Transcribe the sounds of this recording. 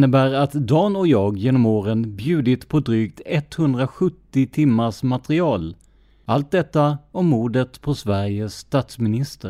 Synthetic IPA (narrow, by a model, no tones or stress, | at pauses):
nːəbæːɾat̪d̪ɑːnɔjɑːɡjeːnɔmoːɾənbjʉ̟ːd̪ɪt̪pʰɔd̪ɾyːkt̪ɛt̪hɵnd̪ɾaɧɵt̪ːɪt̪ʰɪmːaʂmat̪ɾɪɑːl | alt̪̚d̪ɛt̪ːaɔmːuːd̪ət̪pʰɔsvæɾjəsːt̪ɑːt̪smɪnɪst̪ə